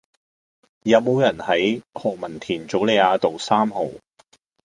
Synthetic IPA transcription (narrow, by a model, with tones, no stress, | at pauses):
jɐ˨t̚mo˨˧wjɐ˨˩nhɐ˨˥jhɔː˨k̚mɐ˨˩nt̪ʰiː˨˩nt͡so˨˥wle˨˧jaː˨˧t̪o˨wsaː˥mho˨˩w